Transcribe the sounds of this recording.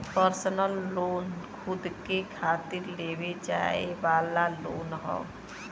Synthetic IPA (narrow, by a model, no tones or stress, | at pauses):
pəɾsənəlːoːnkʰʊd̪kekʰaːt̪ɪɾleːʋed͡ʒa̰ːḛʋaːlaloːnɦɔ̰̃ː